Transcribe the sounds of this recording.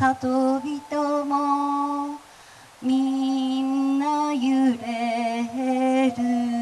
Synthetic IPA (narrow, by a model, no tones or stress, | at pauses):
sat̪obʲit̪omo | mʲinːajɯɾeɦeɾɯ